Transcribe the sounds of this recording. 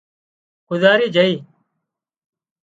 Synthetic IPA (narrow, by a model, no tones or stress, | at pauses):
kʊzaːɾiːd͡ʒəiː